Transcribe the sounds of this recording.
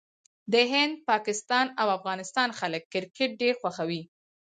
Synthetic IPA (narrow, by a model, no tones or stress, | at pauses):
d̪əɦɪnd̪̚pɑkɪst̪ɑnawafɣɑnɪst̪ɑnxaləkːɪɾkɪʈ̚ɖeɾxwaxawi